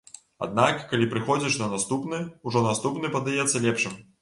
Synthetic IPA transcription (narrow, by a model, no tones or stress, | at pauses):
a̰d̪̚nakːalʲipɾɨxɔd͡zʲiʂnɐnast̪upnɨuʐɔnast̪upnɨpɐd̪ajɛt̪sːɐlʲɛpʂɨm